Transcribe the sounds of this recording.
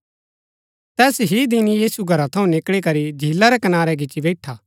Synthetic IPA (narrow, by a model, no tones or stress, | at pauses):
t̪ɛːsɦid̪ɪnijiːsuɡʱɐɾat̪ʰɐũnɪkɭikɐɾid͡ʒʱiːlːaɾɛkɐnaːɾɛɡɪt͡ʃibɛːʈʰaː